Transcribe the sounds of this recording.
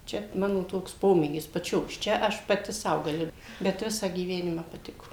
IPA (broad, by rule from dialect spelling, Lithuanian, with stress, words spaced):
ˈt͡ʃʲɛ ˈmɑːnoː ˈtoːks ˈpoːmʲeːɡʲɪs pɐˈt͡ʃʲoːs ˈt͡ʃʲɛ ˈɐʃ pɐˈtʲɪ ˈsɐʊ ɡɐˈlʲɪ bʲɛt ˈʋʲɪsɑː ɡʲiːˈʋʲæːnʲɪmɑː pɐˈtʲɪkoː